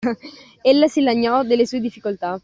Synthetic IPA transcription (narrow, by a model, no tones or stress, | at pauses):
elːasilaɲːɔd̪elːesued̪ifːikolt̪a